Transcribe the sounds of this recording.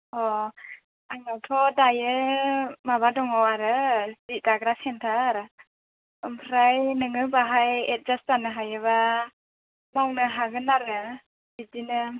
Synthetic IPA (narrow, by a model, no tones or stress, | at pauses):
ɔ | aŋnawtʰɔdajɯ | maβadɔŋɔwaɾɯzidaɡɾasɛntʰaːɾɯ | ɯmpʰɾajnɯŋɯbaɦajet̚zastanɯɦajɯβa | mawnɯɦaɡɯnaɾɯ | bidinɯ